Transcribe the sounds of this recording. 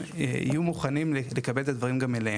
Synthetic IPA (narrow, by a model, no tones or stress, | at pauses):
ḭjumuχanimlelekabelet̪ad̪vaʁimɡamelehe